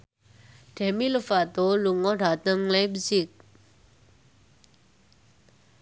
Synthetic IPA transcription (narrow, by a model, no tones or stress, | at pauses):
ɖ̥ɛmilufat̪oluŋɔɖa̤t̪əŋlajp̚sɪk̚